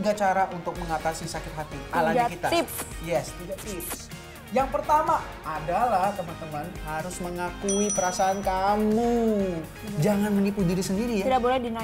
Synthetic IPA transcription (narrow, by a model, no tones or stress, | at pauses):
ɡat͡ʃaɾaʔunt̪ʊk̚məŋat̪asisakɪt̪̚ɦat̪ialaɲakit̪aɪpsjɛst̪iɡat̪ɪps | jaŋpərt̪amaː | dalaht̪əmant̪əmanhaɾʊsməŋakuipəɾasaːnkamu | d͡ʒaŋanmənipudiɾisəndiɾijidabolɛdina